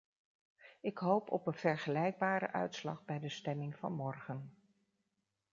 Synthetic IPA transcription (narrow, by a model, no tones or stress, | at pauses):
ɪkɦowpɔ̰pənv̥ɛɹχəlɛjɡ̚baːɾə̰ʔœ̰ɥtslɑ̰χbɛjdəstɛmɪŋv̥ɑ̰nmɔɹχən